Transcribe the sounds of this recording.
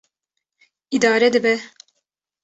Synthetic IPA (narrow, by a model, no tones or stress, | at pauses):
id̪aːɾɛd̪ɨbɛ